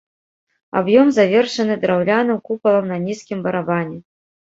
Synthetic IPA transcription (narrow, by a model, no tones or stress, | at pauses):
a̰bjɔmzavʲɛrʂɐnɨd̪ɾawlʲanɐmkupɐlˠɐmnɐnʲiskʲimbɐɾabanʲɛ